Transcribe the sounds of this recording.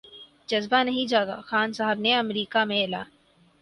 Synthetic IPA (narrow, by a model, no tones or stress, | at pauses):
d͡ʒɐzbanɐɦĩd͡ʒaːɡa̰ːxaːnsaɦəbneɐmɾiːkamẽɪla̰ː